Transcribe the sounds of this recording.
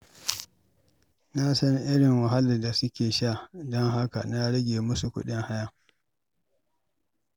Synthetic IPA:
na˦sɐ˦nʔɪ˦ɽɪ˨ŋwa˨ɦa˦li˨da˨sʊ˦kʲeː˨ʃa˦˨dɔ˦ŋɦa˦ka̰˨na˦ɽɐ˦ɡʲeː˨mʊ˦su˨kʷʊ̰˦ɗɪ˦ŋha˦ja˦˨

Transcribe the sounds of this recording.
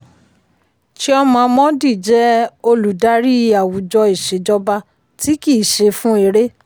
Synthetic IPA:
t͡ʃi˦ɔ˧mɔ̃˧mɔ̃˦di˦˨d͡ʒɛ˦o˧lu˨da˦ɾi˦i˧a˨wu˨d͡ʒɔ˧i˨ʃe˨˦d͡ʒɔ˦ba˧ | ti˨˦ki˦˨ʃe˧fũ˦e˨˦ɾe˦

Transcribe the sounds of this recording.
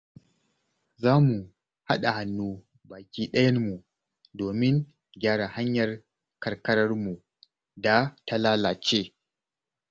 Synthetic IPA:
zaː˦mu˨ | ha˦ɗa˨ha˨nːuː˦ | baː˨kʲiː˦ɗɐ˦jɐ˦rmu˨ | doː˨mɪ˦ŋ | ɡʲaː˦ɽa˨ha˦ɲjɐ˨r | kɐ˨rkɐ˦ɽɐ˦rmu˨ | da˨ta˨laː˦laː˨t͡ʃeː˦

